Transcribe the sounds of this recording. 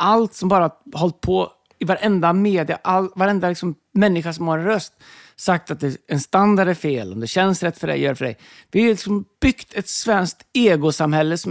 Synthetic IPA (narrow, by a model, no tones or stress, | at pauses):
ʔalt̪sɔmbɑːɾahɔlt̪̚pʰɔ | ɪvaɾɛnd̪ameːd̪ɪa̰ʔalvaɾɛnd̪alɪksɔmːɛnːɪɧaʂ̬ɔmhaɾɛnɾœst̪ | sak̚t̪at̪̚d̪ɛɛnst̪and̪aɖæɾfeːlɔ̰md̪ɛɕɛnsɾɛt̪ːfœɖɛ̰jœːɖɛfœɖɛ̰j | vɪalɪksɔmb̥ʏkt̪ʰɛt̪svɛnsk̚t̪eːɡʊsamhɛlːəsɔ